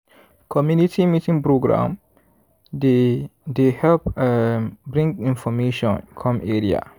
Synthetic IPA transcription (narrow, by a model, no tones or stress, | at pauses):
kʰɔmjunitʰimitĩŋpɾoɡɾã̰m | ddehɛlp | bɾɪ̃ŋɡɪ̃nfɔmeʃɔ̃nkʰɔ̃meɾia̰